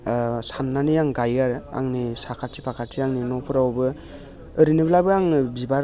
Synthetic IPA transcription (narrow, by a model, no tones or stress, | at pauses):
sanːanijaŋɡajaɾa̰ŋnisakʰatʰipʰakʰatʰiaŋninɔpʰɯɾawbɯ | ɯɾinɯblabɯaŋbibaɾ